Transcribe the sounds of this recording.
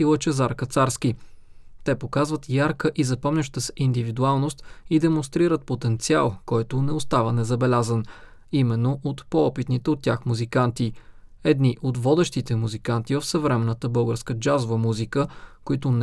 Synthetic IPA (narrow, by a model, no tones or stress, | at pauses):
ilˠət͡ʃɛzaɾkɐt̪saɾski | t̪ɛpokazvət̪jaɾkəʔizɐpɔmnʲəʃt̪əsind̪ivid̪ualˠnost̪id̪ɛmonst̪ɾiɾət̪̚pot̪ɛnt̪sia̰lˠkɔjt̪onɛost̪avənɛzɐbɛlʲazən | imɛnːoʔot̪poɔpit̪nit̪ɛot̪ːʲjaxmuzikant̪iɛd̪niʔot̪vɔd̪ɛʃt̪it̪ɛmuzikant̪ivəfsəvɾɛmɛnːət̪əbɤlˠɡəɾskəd͡ʒazovəmuzikəkoit̪on